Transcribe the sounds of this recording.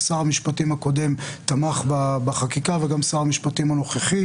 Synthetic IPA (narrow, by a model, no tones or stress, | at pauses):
saʁamiʃpatimhako̞de̞mt̪amaχbabaχakikaveɡamsaʁamiʃpatimano̞χeχi